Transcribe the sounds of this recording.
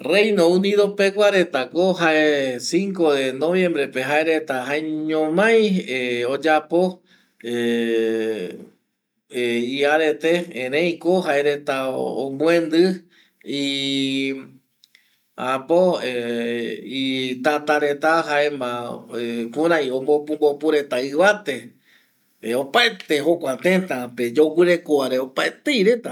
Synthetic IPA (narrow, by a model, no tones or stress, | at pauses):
rejnoũniðopekʷaɾe̞t̪akoɦaesiŋkoðenoβjẽmbɾepeɦaeɾet̪ahaeɲõmãj̃eod͡ʒapo | e | iaɾet̪eẽɾẽj̃koɦaeɾet̪ao̰mwẽnd̪ɨ | i | apoe | it̪at̪aɾe̞t̪aɦaemãekũɾãjõmbopumbopuɾet̪aɨβat̪e | eopaet̪eɦokʷat̪ẽt̪aped͡ʒokʷɨɾe̞koaɾeopaet̪ejɾe̞t̪a